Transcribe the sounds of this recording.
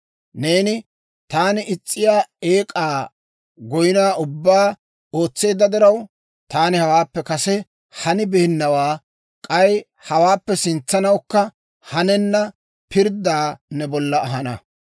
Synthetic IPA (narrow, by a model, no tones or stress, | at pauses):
ne̞ːnɪ | t̪aːnɪʔɪt͡sʼːɪjaːeːkʼaː | ɡɔjɪnaːʊbːaː | o̞ːt͡sːe̞ːd̪ɐd̪ɪɾɐw | t̪aːnɪhɐwaːpːɛkɐsɛ | hɐnɪbɛhɪnːɐwaː | kʼɐj | hɐwaːpːɛsɪnt͡sːɐnɐwkːɐ | hɐnɛnːɐ | pɪɾd̪aːnɛbɔlːɐːɦɐnɐ